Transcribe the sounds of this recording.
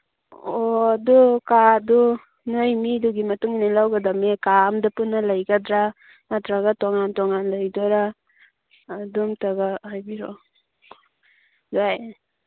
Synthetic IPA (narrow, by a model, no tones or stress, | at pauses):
odukadu | nojmiduɡimɐtuŋinalawɡadamekamdapunːɐlajɡadɾa | matɾaɡatɔŋantɔŋanlajdɔɾaː | dumtaɡahajbiɾo̰ | daj